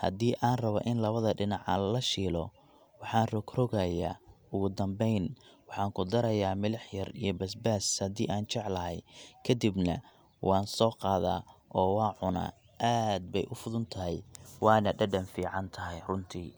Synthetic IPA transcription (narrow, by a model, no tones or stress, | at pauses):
hɐ̰d̪iːʔaːnrɐβɔ̰ʔɪnlɐβɐðɐɖɪnɑʕallɐʃiːlɔ | wɑħɑːnrɔkrɔɣɐja̰ːʊɣʊd̪ɐmbɛjnwɑħɑːŋkʰʊd̪ɐɾɐjaːmɪlɐħjɐrijɔbɐsbaːshɐd̪iːʔaːnt͡ʃɑʕlɐɦɛjkʰɐd̪ibnɐ̰ | wʔɑːnsɔːqɑːða̰ːʔɔːwɑːʕʊna̰ː | ʔaːd̪̚bɛjʔʊfʊðʊnt̪ʰɐɦɛjwɑːnɐɖɐɖɐnfiːʕɑnt̪ʰɐɦɛjrʊnt̪ʰiː